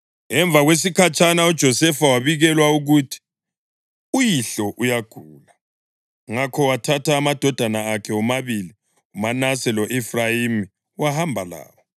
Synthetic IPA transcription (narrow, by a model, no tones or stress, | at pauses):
ɛɱb̪vʱaɣwes̬ikʰat͡ʃʼʰanaud̥ʒ̥ʱɔsɛfawaβiɣɛlwauɣutʰi̥ | ujiɬɔʔujaɡ̥ʱuːla | ŋakʰɔwatʰatʰaːmad̥ʱɔd̥ʱanaːkʰɛɔmaβili | umanasɛlɔʔɛfrajimi | wahambʱala̰ːwɔ